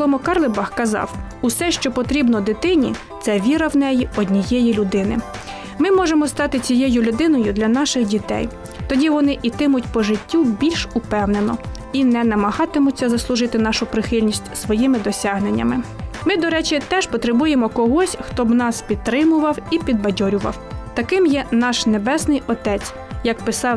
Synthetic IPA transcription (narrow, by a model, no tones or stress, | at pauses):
lˠɔmɔkɑrlˠɪbɑxkɐzɑ̰w | usɛʃt͡ʃɔpɔt̪ɾʲibnɔd̪ɪt̪ɪnʲḭ | t̪sɛʋʲiɾɐwnɛjiɔdʲnʲijɛjilʲʊd̪ɪnɪ̰ | mɪmɔʒemɔst̪ɑt̪ɪt͡sʲijɛjʊlʲʊd̪ɪnɔjʊd̪lʲɐn̪ɑʃɪxdʲit̪ɛ̰j | t̪ɔdʲiʋɔnɪʔit̪ɪmʊtʲpɔʒɪtʲːubʲilʲʃʊpɛwnenɔ | inɛnɐmɐɦɑt̪ɪmʊt͡sʲːɐzɐslˠʊʒɪt̪ɪnɑʃʊpɾɪxɪlʲnʲisʲtʲsʋɔjimɪd̪ɔsʲɑɦnenʲːɐ̰mɪmɪd̪ɔɾɛt͡ʃʲit̪ɛʃpɔt̪ɾebujemɔkɔɦɔsʲxt̪ɔbnɑspʲit̪ːɾɪmʊʋɐwipʲid̪̚bɐdʲɔɾʲʊʋɐ̰wt̪ɐkɪmjɛnɑʃnebɛsnɪjɔt̪ɛt͡sʲ | jɐkpɪsɑw